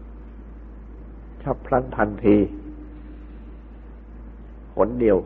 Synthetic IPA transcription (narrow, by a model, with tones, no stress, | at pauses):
t͡ɕʰa˦˥˩pʰɾa˥˩nt̪ʰa˧nt̪ʰiː˧ | kʰo̰˩˦ndi˨˩əw